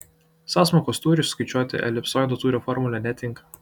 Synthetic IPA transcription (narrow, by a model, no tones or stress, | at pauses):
sɑːsmɔːkoːst̪uːɾʲɪʊskɐɪt͡ʃʲuɔt̪ʲɪ̰ʔɛ̰lʲɪpsɔːjnd̪ot̪uːɾʲɛfɔɾmʊlʲɛnʲɛt̪ʲɪŋk